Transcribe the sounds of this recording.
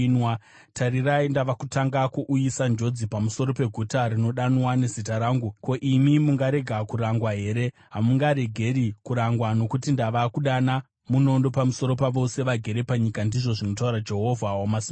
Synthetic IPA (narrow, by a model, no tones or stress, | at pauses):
nwa | taɾiraindaʋakutaŋɡakuʔujisand͡ʒo̞d͡zipamuso̞ɾo̞pe̞ɡʱutaɾino̞ɗanwane̞zitaɾaːŋɡuko̞ʔimimuŋɡaɾe̞ɡʱakuɾaŋɡwaɦe̞ːɾe̞ | ɦamuŋɡaɾe̞ɡʱe̞ɾikuɾaŋɡwano̞kutindaʋakuɗana | muno̞ndo̞pamuso̞ɾo̞paʋo̞se̞ʋaɡʱe̞ɾe̞paɲikandiʐo̞ʐino̞tauɾad͡ʒe̞ɦo̞vʱawamasi